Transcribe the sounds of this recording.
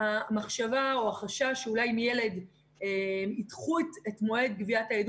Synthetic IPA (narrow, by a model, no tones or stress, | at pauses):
hamaχʃavao̞aχaʃaʃeulajmijele̞d | emitχuetetmo̞e̞d̚ɡviataed